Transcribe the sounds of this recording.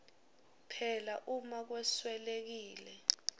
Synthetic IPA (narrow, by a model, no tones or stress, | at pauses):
pʰɛlaʔumak̬wɛswɛlek̬iːlɛ